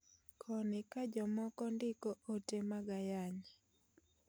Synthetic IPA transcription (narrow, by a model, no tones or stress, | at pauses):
kʰɔnɪkad͡ʒɔmɔkɔndɪkɔotemaɡajaɲi